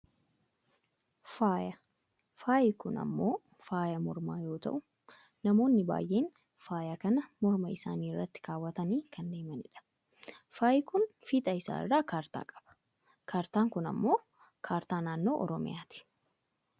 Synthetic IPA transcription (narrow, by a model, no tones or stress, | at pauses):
faːjɐ | faːʔɪkʊnɐ̰mːo̞ː | faːjɐmɔɾmaːjo̞ːt̪ɐ̰ʔʊ | nɐmo̞ːnːɪba̰ːjʔe̞ːn | faːjakɐnɐmɔɾmɐɪsa̰ːniːɪrːɐt̪ːɪ̥kaːwːɐt̪ɐniːkʰɐnd̪eːmɐnɪᶑɐ̥ | faːjɪkʊnfit̪ʼɐɪsa̰ːɪ̰rːaːkaːɾt̪a̰ːkʼɐ̥b̥ɐ̥ | kʰaːɾt̪aːŋkʊnɐ̰mːo̞ː | kʰaːɾt̪aːnaːnːo̞ːʔɔɾɔmɪ̰jaːt̪ɪ̥